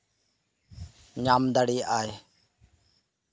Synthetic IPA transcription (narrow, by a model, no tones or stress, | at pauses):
ɲaːmd̪əɽiːʔaːj